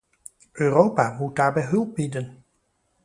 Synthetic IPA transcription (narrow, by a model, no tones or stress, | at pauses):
ʔøːrowpamud̚daːɹbɛjɦɵlˠp̚bidən